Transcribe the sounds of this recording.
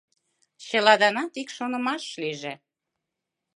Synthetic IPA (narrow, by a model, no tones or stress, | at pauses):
ɕə̆lɑd̪ɑnɑt̪ikʃonə̆mɑʃliʒĕ